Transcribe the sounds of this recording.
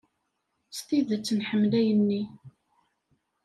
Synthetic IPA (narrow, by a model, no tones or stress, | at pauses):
st̪iðət͡sːənħəmːlæjənːi